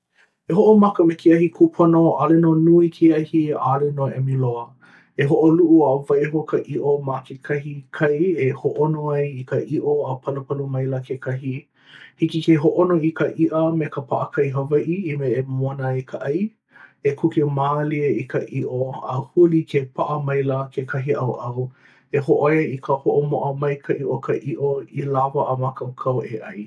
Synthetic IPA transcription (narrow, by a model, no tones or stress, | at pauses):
eɦoʔomɐkəmekeɐhikʰupʰonoʔalenonuikʰeɐhia̰ːlenoɛ̰miloə | eɦoʔoluʔuavɐjɦokɐʔiʔomakʰekʰɐhikʰɐjehoʔonoɐjikəʔiʔoəpʰɐləpɐlumɐjlɐkʰekʰɐɦi | hikikeɦoʔonoikəʔiʔəmekəpʰaʔəkʰɐjɦəvɐʔiimeːmnəekʰəʔɐj | ekʰukemaːliəikəʔiʔoə̰hulikʰepʰaʔəmɐjləkʰekʰɐɦiʔɐwʔɐw | eɦoʔoeikʰəhoʔomoʔəmɐjkʰəʔiʔokʰəʔiʔoilavɐːmakʰɐwkʰɐwʔeʔɐj